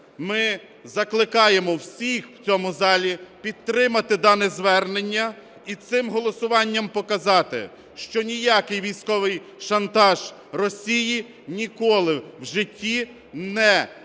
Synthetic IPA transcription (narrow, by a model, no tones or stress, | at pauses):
mɪ | zɐklˠɪkɑjemɔwsʲixw̥t͡sʲɔmʊzɑlʲipʲid̪̚t̪ɾɪmɐt̪ɪd̪ɑnɪzʋɛrnenʲːɐ | it̪sɪmɦɔlˠɔsʊʋɑnʲːɐmpɔkɐzɑt̪ɪ̰ | ʃt͡ʃɔnʲijakɪjʋʲijsʲkɔʋɪj | ʃɐnt̪ɑʒ̥ | rɔsʲiji | nʲikɔlˠɪwʒɪtʲːi | nɛ